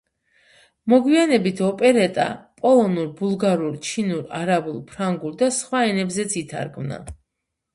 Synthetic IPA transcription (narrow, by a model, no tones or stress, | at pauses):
mɔɡwianɛbit̪ʰɔpʼɛɾɛt̪ʼa̰pʼɔlˠɔnuɾbulˠɡaɾuɾt͡ʃʰinuɾaɾabulˠpʰɾaŋɡuɾd̪asχwaɛnɛbzɛt̪sʰit̪ʰa̰ɾɡmna̰